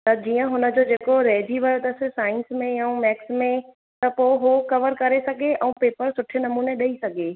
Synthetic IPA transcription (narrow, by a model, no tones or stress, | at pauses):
t̪ɐd͡ʑiːə̃ɦʊnə̆d͡ʑoːd͡ʑeːkoɾeːd̪ʱiʋɐɾt̪ɐsɪsaːɪ̃nsmẽjɐũmɛːksmẽ | t̪ɐpoːɪɦokɐʋəɾkɐɾesɐɡʱeʔɛ̃ũpeːpəɾsʊʈʰenɐmuːneɗɐisɐɡʱe